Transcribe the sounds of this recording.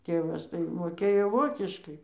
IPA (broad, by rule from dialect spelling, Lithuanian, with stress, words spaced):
ˈtʲeːʋɐs tɐɪ moːˈkʲeːjoː ˈʋoːkʲɪʃkɐɪ